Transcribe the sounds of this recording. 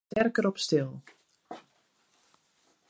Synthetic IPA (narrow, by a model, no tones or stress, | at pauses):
tɛrkəɾɔpstɪlˠ